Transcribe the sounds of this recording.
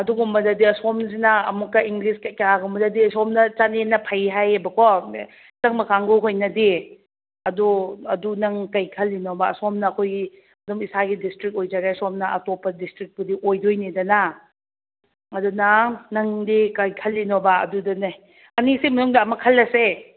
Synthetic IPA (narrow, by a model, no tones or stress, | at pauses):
ɐduɡumɐdɐdiɐsɔmzinɐɐmukːɐiŋɡliskɐjkaaɡumɐdɐdiɐsɔmnɐt͡ʃanenɐpʰajɦajɐbɐkʰo | t͡ʃɐŋmɐkaŋɡoɦojnɐdi | ɐduɐdunɐŋkɐjkʰɐlːinobaɐ̰sɔmnɐːkʰojɡi | ɐdumisaɡidistɾik̚ojd͡ʒaɡasɔmnɐɐ̰topːɐdistɾik̚bɐdiʔojdojnidɐnɐ | ɐdunɐnɐŋdikɐjkʰɐlːinobaɐ̰dudɐna | ɐnisimɐnuŋdɐɐmɐkʰɐlːɐse